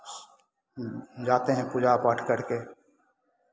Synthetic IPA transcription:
d͡ʒaːt̪eɦɛ̃pʊd͡ʒapaːʈkəɾkeː

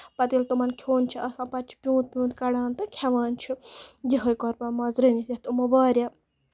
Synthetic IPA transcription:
pɐt̪ilt̪umɐnkʲʰoːnt͡ʃʰiʔɐsãːpɐt͡ʃʰi̥pʲjũːt̪̚pʲjũːt̪kɐɽaːnt̪ɨkʲʰɛʋaːnt͡ʃʰid͡ʒiɦɐjkɔɾpɐmɐzɾinijɐht̪umɐbaːɾjɐ

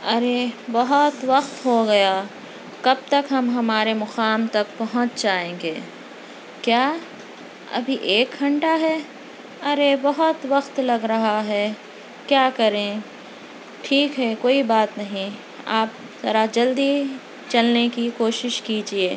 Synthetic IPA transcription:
ɐɾebɐɦʊt̪ʋɐxt̪ɦoɡɐja | kɐb̚t̪ɐkɦɐmɦɐmaːɾemʊqaːmt̪ɐkpɐɦʊ̃t͡ʃd͡ʒaːẽːŋɡeː | kjaː | ɐ̰bʱiʔeːkɡɐ̃ɳʈaɦɛ | ɐɾebɐɦʊt̪ʋɐqt̪lɐɡɾɐɦaɦɛ | kjaːkɐɾẽ | ʈʰiːkɦɛkoːibaːt̪nɐɦĩ | aːp̚ | sɐɾad͡ʒɐld̪i | t͡ʃɐlnekikoːʃɪʃkiːd͡ʒieː

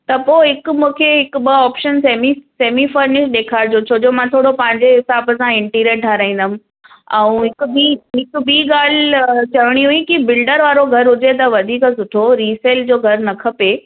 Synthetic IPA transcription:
t̪ɐpoːɦɪkʊmũːkʰeɦɪkʊ̆ɓɐɔːpʃənseːmiseːmifɐɾnɪʃɗ̪eːkʰaːɾd͡ʑot͡ɕʰoːd͡ʑomãt̪ʰoːɽopɐ̃ɦɪ̃ɲd͡ʑeɦɪsaːbəsãɪ̃ɳʈiːɾeʈaːɾaːĩnd̪əm̃̆ | ɛ̃ũɦɪkʊbiɦɪkbiːɠaːl̤t͡ɕɐʋɪɽ̃iɦuĩkibɪlɖəɾʋaːɾoɡʱɐɾɦʊd͡ʑet̪ɐʋɐd̪ʱiːksʊʈʰoɾiːseːld͡ʑoːɡʱɐɾnɐkʰɐpe

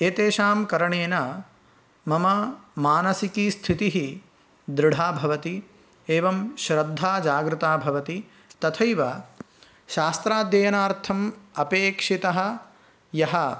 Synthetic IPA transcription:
eːt̪eːʃaːmkɐɾɐɳeːnɐ | mɐmɐmaːnɐsikiːst̪ʰit̪iɦi | d̪ɾɪɽ̤ʱaːbʱɐʋɐt̪i | eːʋɐmʃɾɐd̪ʱːaːd͡ʒaːɡɾut̪aːbʱɐʋɐt̪i | t̪ɐt̪ʰɐjʋɐ | ʃaːst̪ɾaːd̪jɐːjɐnaːɾt̪ʰɐmɐpeːkʂit̪ɐɦɐ̆ | jɐɦɐ

